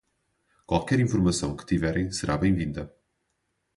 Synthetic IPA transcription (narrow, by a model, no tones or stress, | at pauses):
kwalˠkɛɾĩfuɾmɐsɐ̃w̃kɨ̥t̪ivɛɾɐ̃j̃sɨɾʔaβẽj̃vĩnd̪ɐ